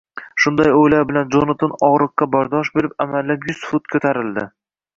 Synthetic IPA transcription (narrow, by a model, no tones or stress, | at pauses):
ʃʊnd̪ajojlaɾbɪland͡ʒonat̪ʰonɒʁɾɨqːɑbɒɾd̪ɒʃbe̞ɾɪpamalːapjʊsfʊt̪̚kʰɵt̪ʰaɾɪld̪ɪ